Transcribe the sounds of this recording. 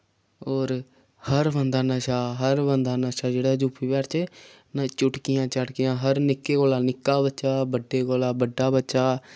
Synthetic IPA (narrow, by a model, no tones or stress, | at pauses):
oːɾ | həɾbənd̪aːnaʃaːɦəɾbənd̪aːnaːʃaːd͡ʒeːɽaːd͡ʒuːpʰiːbɛːɾt͡ʃ | nat͡ʃʊʈkɪjãːt͡ʃəɽkɪjãːɦəɾnɪkːeːkoːlaːnɪkːaːbətːt͡ʃaːbəɖːeːkoːlaːbəɖːaːbətːʃaː